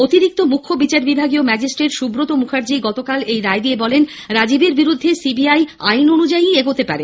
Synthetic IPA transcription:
ot̪iɾik̚t̪omukʰːobit͡ɕaɾbibʱaɡiomɛd͡ʑisʈɾeʈʃubɾot̪omukʰaɾd͡ʑiɡɔt̪okalejɾaed̪iebɔlen | ɾad͡ʑibeɾbiɾud̪ʱːesibiajajnonud͡ʑaieɡot̪epaɾe

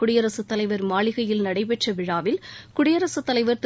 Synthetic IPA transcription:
ʊɽɪjɐɾɐsɯt̪ːɐlɐɪʋɐɾmaːɭɪɣɐjɪlnɐɽɐɪpɛʈrɐʋɪɻaːʋɪlkʊɽɪjɐɾɐsɯt̪ːɐlɐɪʋɐɾt̪

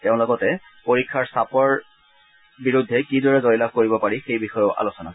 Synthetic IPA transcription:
teʊ̃lɔɡɔtɛ | poɹikʰːaɹsapɔɹ | biɹudʱːɛkidɔɹɛzɔjlab̚koɹibɔpaɹixejbixɔjɔʊʔa̰losɔna̰

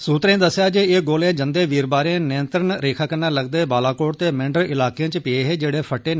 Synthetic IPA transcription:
suːt̪ɾẽːd̪əsːjaːd͡ʒeːeːɡoːlẽːd͡ʒənd̪eːʋiːɾbaːɾẽːnɪənt̪ɾənɾeːkʰaːkənaːləɡd̪eːbaːlaːkoːʈt̪eːmɪ̃ɳɖəɾɪlaːkijãːt͡ʃpɪeːɦeːd͡ʒeːɽeːpʰəʈːeː

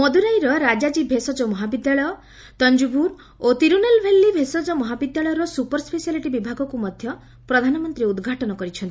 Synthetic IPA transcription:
mɔd̪uɾajɾɔɾad͡ʒad͡ʒibʱesɔd͡ʒɔmɔɦabid̪jaɭɔjɔ | t̪ɔnd͡ʒubuɾ | ot̪iɾunelbʱelːibʱesɔd͡ʒɔmɔɦabid̪jaɭɔjɔɾɔsupɔɾspesialiʈibibʱaɡɔkumɔd̪ʱjɔ | pɾɔd̪ʱanɔmɔnt̪ɾiud̪ɡʱaʈɔnɔkɔɾit͡ʃʰɔnt̪ii

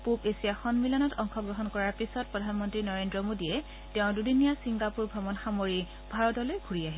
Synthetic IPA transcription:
pupesiaxɔnmilɔnɔtɔŋxʰɔɡɹɔɦɔnkɔɹaɹpisɔt̚pɹɔdʱanmɔntɹinɔɹendɹɔmodiɛ | tɛʊ̃dudinijasiŋɡapuɹbʱɔmɔnxamoɹi | bʱaɹɔtɔlojɡʱuɹiaɦi

